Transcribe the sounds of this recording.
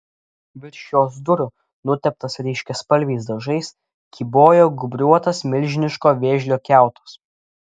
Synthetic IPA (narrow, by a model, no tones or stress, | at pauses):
ʋʲɪɾʲʃʲjoːsd̪ʊɾʲʊ | nʊt̪ʲɛp̚t̪ɐsɾʲɛɪʃʲkʲɛspɐlʲʋʲɛɪs̬d̪ɐʒɐɪs | kʲiːboːjoːɡʊbʲɾʲuɔt̪ɐsmʲɪlʲʒʲɪnʲɪʃkoːʋʲeːʒʲlʲoːkʲæˑʊt̪ɐ̥s